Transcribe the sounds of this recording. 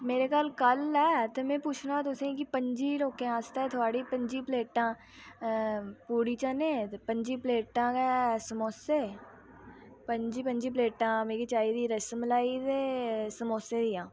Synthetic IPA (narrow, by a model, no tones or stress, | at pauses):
meːɾekalkəlɛːt̪emẽːpuːt͡ʃʰnãt̪ʊsẽkipəɲd͡ʒiːloːkẽaːst̪aɛt̪ʰʊaːɽiːpə̃ɲd͡ʒiːpleːʈãː | puːɽit͡ʃãːnẽpə̃ɲd͡ʒiːpleːʈãːkɛsəmoːseː | pəɲd͡ʒiːpə̃ɲd͡ʒiːpleːʈãːmeːkit͡ʃaːid̪iːɾəsəmlaːit̪esəmoːseːd̪ijãː